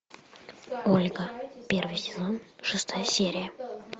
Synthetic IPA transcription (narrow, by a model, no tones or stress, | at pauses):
olʲɡəpʲe̞rvɨjsʲɪzo̞nʂɨst̪ʰajəsʲeɾʲɪjə